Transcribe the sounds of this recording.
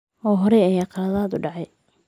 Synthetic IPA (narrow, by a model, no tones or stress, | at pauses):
ɔːɦɔɾɛjɐjaːqʰɑlɐðaːd̪ʊɖɑʕɑj